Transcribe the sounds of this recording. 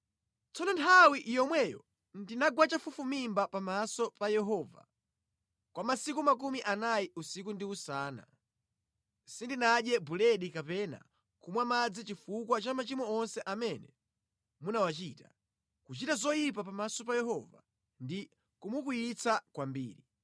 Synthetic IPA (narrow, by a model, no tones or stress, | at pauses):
t͡sɔnɔntʰawiʔjɔmwɛjɔ̰ | ndinaɡwat͡ʃafufumimbapamasɔpajɛɦɔːva̰ | kwamasikumak̬umiʔanajiusikundiusaːna̰ | sindinaɗjɛbulɛɗikapɛna̰ | kumwamad͡zit͡ʃifukwat͡ʃamat͡ʃimɔɔnsɛʔamɛnɛ | munawat͡ʃiːta | kut͡ʃitazɔjip̬apamasɔp̬ajɛɦɔva̰ | ndi | kumukujit͡sʰakwambḭːɾi